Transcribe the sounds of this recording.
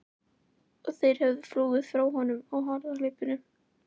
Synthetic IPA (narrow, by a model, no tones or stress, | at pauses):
ɔɣθejɾ̥hɛvðʏfluːɣɪð̥fɾawɦɔnʏmɔɣɦɔɾðalɪːjpɪnʏm